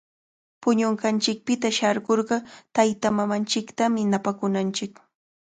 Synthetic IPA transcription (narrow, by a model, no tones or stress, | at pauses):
pʊɲoɴɢɑnt͡ʃɪk̚pɪt̪aʃaɾɢoɾɢɑt̪ajt̪amamant͡ʃɪkt̪amɪnapakʊnant͡ʃɪk